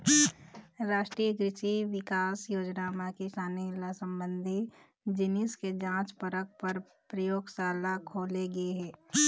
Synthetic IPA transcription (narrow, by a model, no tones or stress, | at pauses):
ɾaːʃʈɾijəɡɾɪʃiʋɪkaːsjoːd͡ʒnamẽkiʃaːnilasə̃mbə̃nd̪ʱi | d͡ʒɪnɪsked͡ʒãːt͡ʃpəɾək̚pəɾ | pɾəjoːɡsaːlakʰoːleɡɐeɦɛː